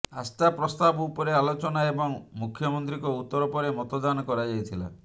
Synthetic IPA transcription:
a̰st̪apɾɔst̪abɔupɔɾealot͡ʃɔnaebɔŋmukʰjɔmɔnt̪ɾikɔut̪ːɔɾɔpɔɾemɔt̪ɔd̪anɔkɔɾad͡ʒajt̪ʰila̰

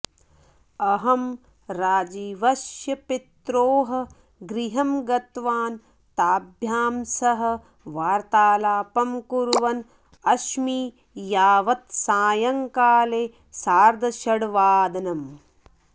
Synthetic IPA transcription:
ɐɦɐm | ɾaːd͡ʒiːʋɐʃjɐpit̪ɾoːɦɐ̆ | ɡɾiɦɐmɡɐt̪ʋaːn | t̪aːbʱjaːmsɐɦɐ̆ | ʋaːɾt̪aːlaːpɐmkuɾʋɐn | ɐʃmiː | jaːʋɐt̪saːjɐŋkaːleː | saːɾd̪ʱɐʃɐɽʋaːd̪ɐnɐm

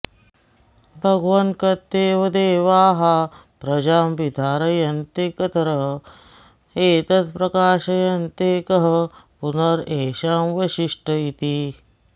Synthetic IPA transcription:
bʱɐɡʋɐnkɐt̪ːeːʋɐd̪eːʋaːɦa | pɾɐd͡ʒaːmʋid̪ʱaːɾɐjɐnt̪ekɐt̪ɐɾɐɦ | eːt̪ɐt̪pɾɐkaːʃɐjɐnt̪ekɐɦɐpunɐɾeːʃaːmʋɐʃiʂʈɐjit̪i

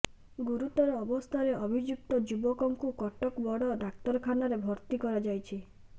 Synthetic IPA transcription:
ɡuɾut̪ɔɾɔːbɔst̪ʰaɾeʔɔbʱid͡ʒuk̚t̪ɔd͡ʒubɔkɔŋkukɔʈɔkbɔɽɔɖak̚t̪ɔɾɔkʰanaɾebʱɔɾt̪ikɔɾad͡ʒajt͡ʃʰi

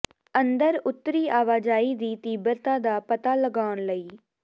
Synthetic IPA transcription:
ənd̪əɾʊt̪ːɾiːaːʋaːd͡ʒaːiːd̪iːt̪iːbəɾt̪ãːd̪aːpət̪aːləɡaːʊɳləiː

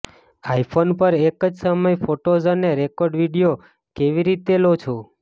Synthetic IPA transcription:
ajpʰonpəɾekəd͡ʒsəməjfoʈozəneɾekoɾɖʋiɽijo | keʋiɾit̪elot͡ʃʰo

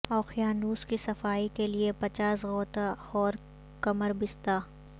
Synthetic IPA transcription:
ɔːxijaːnuːskisɐfaːikeliepɐt͡ʃaːsɣɔːt̪axɔːɾ | kɐməɾbɪst̪aː

